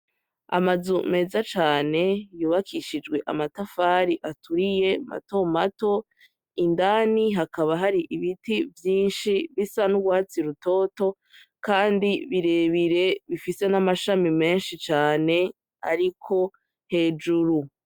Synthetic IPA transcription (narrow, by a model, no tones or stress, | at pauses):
a̰mazume̞zat͡ʃaːne̞juːβakʰiʃid͡ʒɡwe̞ʔamatafaːɾiʔatʰuɾije̞ma̰to̞mato̞ | indaniɦakaβaɦaɾiʔiβitivjiːnʃiβisanuɡwaːt͡siɾuto̞ːto̞ | kaːndiβiɾe̞βiɾe̞βifise̞namaʃamime̞ːnʃit͡ʃaːne̞ | a̰ɾikʰo̞ | he̞ːd͡ʒuɾu